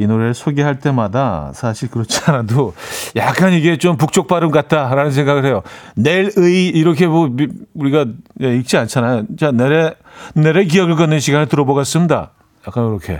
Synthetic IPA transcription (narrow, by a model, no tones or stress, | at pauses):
inoɾeɭsʰoɡeɦaɭt͈e̞madasʰaɕʰiɭkɯɾʌt͡ɕʰianadojak͈̚aniɡe̞t͡ɕompuk̚t͡ɕ͈ok̚p͈aɾɯmkat̚t͈aɾanɯns̬ʰe̞ŋɡaɡɯɭhe̞jone̞ɾɯiiɾʌkʰe̞mouɾiɡajeik̚t͡ɕ͈iant͡ɕʰanajot͡ɕaneɾe | neɾek̬iʌɡɯɭk͈ʌnːɯnɕʰiɡanɯɭtɯɾʌboɣas͈ɯmda̰ | jak͈anoɾʌkʰe̞̰